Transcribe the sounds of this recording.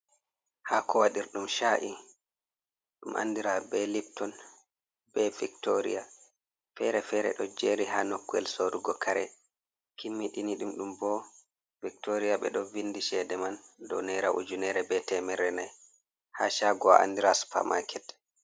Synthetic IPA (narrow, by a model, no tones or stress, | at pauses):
haːkʰɔwaɗiɾɗumʃaʔi | ɗumʔa̰nːdiɾabɛlip̚tɔn | bɛviktoɾḭja | fɛɾɛfɛɾɛ̰ɗɔd͡ʒeɾiɦanokːuɛ̰lsoɾuɡɔkʰaɾɛ̰ | kʰimːiɗiniɗumɗumbɔ | vik̚toɾijaɓɛɗɔvindiʃɛdɛmandɔ̰nɛɾaʔṵd͡ʒunɛɾɛbɛtɛmɛɾɛnaj | haʃaːɡɔa̰ʔa̰ndiɾasu̥pʰa̰ma̰kʰɛt